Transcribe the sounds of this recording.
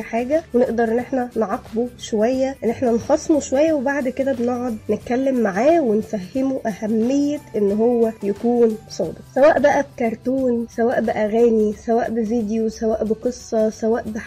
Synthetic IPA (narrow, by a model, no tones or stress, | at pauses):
ħaːɡæweneʔd̪ɑɾˤʔenːʔeħnænʕɑqːboʃowæjːæʔenːʔeħnænxɑsˤmuʃowæjːæwebaʕd̪ked̪æbeneʕod̪net̪̚kælːemːaʕaːwenfæhːemuʔæhæmːejːeʔenːɦowːæjækuːnsˤɑ̰ːb̪eqsæwæːʔbæʔæb̚kɑɾˤt̪uːnsæwæːʔbɪʔæɣæːnisæwæːʔbeviːd̪josæwæːʔbeqesˤːɑsæwæːʔbe